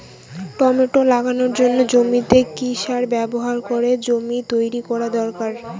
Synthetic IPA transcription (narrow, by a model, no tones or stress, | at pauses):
ʈɔmeʈolaɡanoɾd͡ʑonːod͡ʑomit̪ekiʃaɾbɛboɦaɾkoɾed͡ʑomit̪ojɾikɔɾad̪ɔɾkaɾ